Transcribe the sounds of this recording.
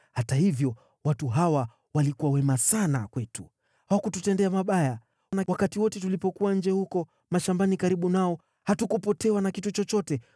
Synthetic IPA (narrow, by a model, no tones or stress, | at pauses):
hatahivjɔ | watuɦawa | walikuwawɛmasana̰kwɛtu | hawakututɛndɛamaɓaja | nawakatiwɔtɛtulipɔkuaɲ̩d͡ʒɛhukɔ | maʃambanikaɾiɓunaɔ | hatukupɔtɛwanakitut͡ʃɔt͡ʃɔtɛ